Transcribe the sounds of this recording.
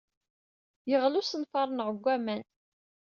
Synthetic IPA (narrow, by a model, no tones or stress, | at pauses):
jəʁlusənfɑɾˤnʁəɡʷːæmæn